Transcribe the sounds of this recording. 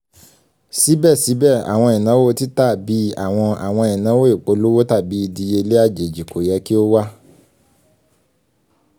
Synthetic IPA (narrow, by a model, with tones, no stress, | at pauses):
si˨˦bɛ˦˨si˨˦bɛ˦˨a̰˨w̃ɔ̃˧i˨nã˨˦wo˦ti˦ta˦˨bi˨˦a̰˦˨w̃ɔ̃˧a̰˨w̃ɔ̃˧ĩ˨nã˨˦wo˦i˦˨k͡po˨˦lo˦wo˦ta˦˨bi˨˦i˧di˧e˧le˦a˦˨d͡ʒe˨d͡ʒi˨kʰo˨jɛ˨˦ki˦o˦wa˦